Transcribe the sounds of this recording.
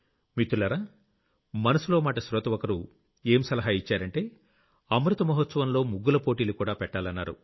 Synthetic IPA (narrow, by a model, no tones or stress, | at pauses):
mit̪ːulɐɾaː | mɐnɐsulo̞ːmaːʈɐsɾɔt̪ɐʋɔkɐɾu | eːmsɐlɐɦaːit͡ʃːaːɾɐɳʈe̞ː | ɐmɾut̪ɐmɐɦɐt̪sɐʋɐnlo̞ːmuɡːulɐpoːʈiːlukuːɽaːpɛʈːaːlɐnːa̰ːɾṵ